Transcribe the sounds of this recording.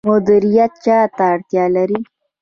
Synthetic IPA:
mʊd̪iɾijat̪̚t͡ʃɑt̪aːɽt̪jɑlaɾi

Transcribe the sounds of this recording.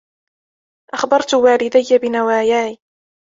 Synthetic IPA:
ʔaxbɑɾˤt̪waːlɪd̪ajːabɪnawaːjaːʕiː

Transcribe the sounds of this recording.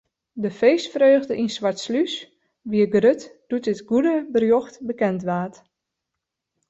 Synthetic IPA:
dəfeːsfrøːɣdəʔinsʋaɹtslys | ʋiəɡrøtd̥utɪtɡudəbərjoxtbəkɛntʋaːt

